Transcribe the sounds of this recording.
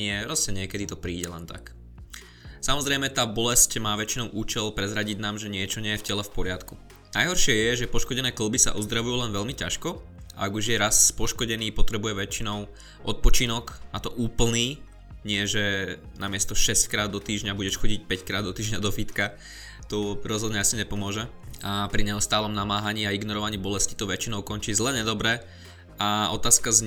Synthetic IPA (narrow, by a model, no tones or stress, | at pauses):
ɪɛɾɔsɛɲɪɛkɛd̪it̪ɔpɾiːɟɛlɛnt̪a̰k | samɔzɾɛɪmɛt̪aːbɔlɛscmaːʋɛt͡ʃinɔʊʔuːt͡ʃɛlpɾɛzɾaɟiɟnaːmʒɛɲɪɛt͡ʃɔɲɪɛjɛfcɛlɛfpɔɾɪat̪ku | najɦɔɾʃɪɛjɛʒɛpɔʃkɔɟɛnɛːkl̩bisa̰ʔuzd̪ɾaʋujuːlɛnʋɛʎmicaʃkɔ | a̰aɡuʒjɛɾaspɔʃkɔɟɛniːpɔt̪ɾɛbujɛʋɛt͡ʃinɔʊ | ʔɔt̪̚pɔt͡ʃinɔknat̪ɔʔuːpl̩niː | ɲɪɛʒɛnamɪɛst̪ɔʃɛsckɾaːd̪ːɔt̪iːʒɲabuɟɛʃxɔɟic̚pɛckɾaːd̪ɔt̪iːʒɲad̪ɔfit̪ka | t̪ɔɾɔzɦɔd̪ɲɛasiɲɛpɔmʊɔʒɛ | apɾiɲɛust̪aːlɔmnamaːɦaɲiːaiɡnɔɾɔʋaɲiːbɔlɛsci̥t̪ɔʋɛt͡ʃinɔʊkɔnt͡ʃiːzlɛɲɛd̪ɔbɾɛ | aɔt̪aːskazɲ